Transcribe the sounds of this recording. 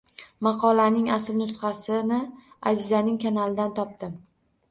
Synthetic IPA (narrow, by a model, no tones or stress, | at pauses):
mɑqʰɒlanɪŋasɪlnʊt̪χɑsɪnɪ | azɪzanɪŋkʰanalɪd̪ant̪ʰɒp̚t̪ɪm